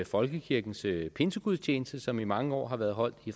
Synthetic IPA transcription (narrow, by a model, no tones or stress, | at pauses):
fɒ̽lɡ̥əkʰiɐɡ̥n̩spʰe̝nsəɡ̥uðˠst͡ɕʰeːnəsd̥əsɒ̽mimɑ̈ŋəɒ̰ːɦɑ̈ʋæɐðˠɦɒ̽l̰d̥if